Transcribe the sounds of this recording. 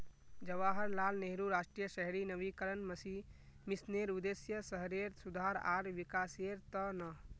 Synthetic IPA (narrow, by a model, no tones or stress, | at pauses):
d͡ʒəʋaɦəɾlalneɦɾuɾasʈɾijəsəɦɾinəʋikəɾənməsi | misneɾud̪esjəsəɦɾeɾsud̪ʱaɾa̰ːɾʋikaseɾt̪ənə